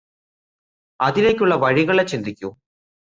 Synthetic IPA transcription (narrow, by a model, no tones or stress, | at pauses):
ɐðile̞ːkʲːuɭːɐʋɐɻiɣɐɭet͡ɕind̪ikʲːu